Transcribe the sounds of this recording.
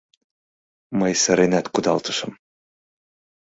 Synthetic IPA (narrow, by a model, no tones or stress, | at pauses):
məjsəɾenæt̪kud̪ɑlˠt̪ɤ̥ʃɤ̆m